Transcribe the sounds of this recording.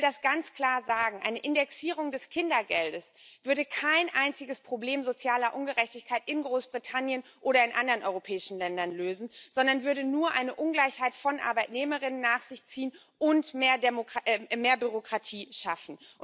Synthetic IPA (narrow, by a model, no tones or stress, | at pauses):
dasɡ̥ant͡skl̥aːɐzaːɡŋ̩ʔa̰ɪnəʔɪndɛksiːʁ̞ʊŋdɛskʰɪndɐɡɛldəsv̥ʏɐdəkʰaɪnʔaɪnt͡sɪɡəspʁ̥obleːmzot͡sjaːlɐʔʊnɡəʁɛçtɪçkʰaɪtʔɪnɡʁoːsb̥ʁitʰanjənʔoːɾɐɪnʔandɐʁənʔɔ̰ʏʁopʰɛːɪʃn̩lɛndɐnløːzn̩z̥ɔndɐnvʏɐdənuːɐʔaɪnəʔʊnɡlaɪçhaɪtfɔnʔa̰ɐbaɪtneːməʁɪnənːaːχz̥ɪçt͡siːən | ʔʊntmeːɐdemokʔmeːɐbyʁ̞okʁ̥atʰiːʃafn̩